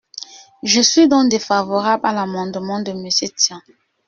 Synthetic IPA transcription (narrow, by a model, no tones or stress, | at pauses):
ʒəsɥid̪ɔ̃k̚d̪efavɔʁablalamɑ̃d̪mɑ̃d̪əməsjet̪jɛ̃